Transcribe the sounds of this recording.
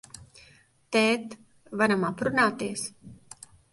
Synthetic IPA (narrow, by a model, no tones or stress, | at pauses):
t̪ɛːt̪ | vaɾamapɾunaːt̪is